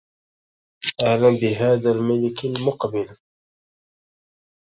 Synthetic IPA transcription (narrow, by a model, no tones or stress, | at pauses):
ʔahlambɪɦaːðaːlmalɪkalmʊqbɪl